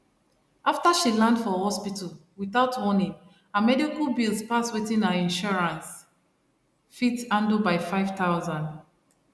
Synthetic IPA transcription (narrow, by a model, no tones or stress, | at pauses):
ʔaftaʃilãndfɔhɔspitʰəlwiθaʊtʰwɔnĩŋ | amɛdikəlbilspaswiθĩnəĩnʃɔɹãns | fitãndlbaɪfaɪv̥taʊzãnd